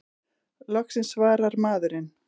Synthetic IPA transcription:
lɔxksɪnsvaːɾaɾmaːðʏɾɪn

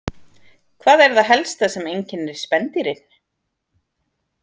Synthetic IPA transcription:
kʰvaːðɛɾðaɦɛlst̪asɛmejɲcɪnɛɾ̥spɛnt̪iɾɪn̥

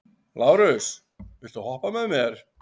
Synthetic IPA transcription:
laːwɾʏs | vɪl̥t̪ahɔhpamɛðmɛɾ̥

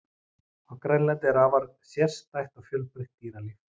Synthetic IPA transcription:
awkɾɛnlɛnt̪ɛɾaːvaɾ | sjɛr̥st̪ajht̪awfjœlpɾɪht̪ːiːɾalɪ

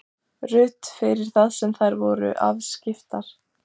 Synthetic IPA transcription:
rʏt̪fɪɾɪɾ̥θaðsɛmθajɾvɔɾʏ̰ʔa̰vscɪft̪aɾ̥

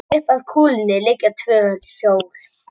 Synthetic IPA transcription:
ʏhpaðkʰuːlnːɪlɪcːat̪ʰvœːsoːwɾ̥

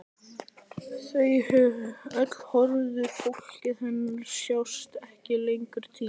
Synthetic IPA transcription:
θejhʏvœt̪l̥hɔɾðʏfʰohcɪðhɛnːʏɾ̥sjawst̪ɛhcɪlejŋkʏɾ̥t̪ʰiː

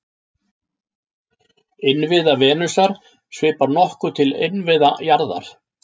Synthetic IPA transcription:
ɪnvɪðavɛːnʏsaɾ̥ | svɪːpaɾnɔhkʏt̪ʰɪlɪ̰nvɪðajaɾða̰ɾ̥

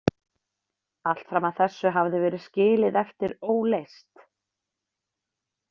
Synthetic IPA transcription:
al̥t̪fɾamaðθɛsːʏɦavðɪvɛːɾɪðscɪːlɪðɛft̪ɪɾoːwlejst̪

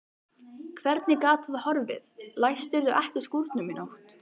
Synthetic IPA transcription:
kʰvɛɾt̪nɪkaːt̪ʰaðhɔɾvɪ̰ðlajst̪ɪɾðʏʔɛht̪ʏskuɾt̪nʏmɪnowht̪

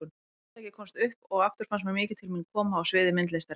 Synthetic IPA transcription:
n | ɛhcɪkʰɔmst̪ʏhpɔɣaft̪ʏɾ̥fansmɛnmɪːcɪt̪ʰɪlminkʰɔːmaːwsvɪːðɪmɪnt̪lejst̪aɾ

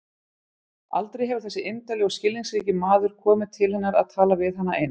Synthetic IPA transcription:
a̰lt̪ɾejɦɛvʏɾ̥θɛsːɪʔejmt̪alɛɣɔscɪlːiŋsɾiːcɪmaːðʏɾ̥kʰɔːmɪðt̪ʰɪlhɛn̪ːaɾa̰ðt̪ʰaːlavɪðɦanːaʔḛjn

